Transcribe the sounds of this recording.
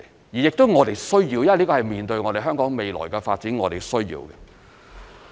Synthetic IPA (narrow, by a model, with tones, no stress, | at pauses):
jiː˨˩jɪ˨k̚t̪o˥wŋɔː˨˧t̪e˨jsɵ˥ɥjiː˧wjɐ˥˨liː˥kɔː˧hɐ˨˩jmiː˨˩nt̪ɵ˧ɥŋɔː˨˧ɾe˨jɦœː˥ŋkɔː˨˥ŋme˨jlɔ̰ː˨˩jkɛ˧fa̰ː˧t̚t͡siː˨˥nŋɔː˨˧ɾe˨˩jsɵ˥ɥjḭː˧wkɛ̰˧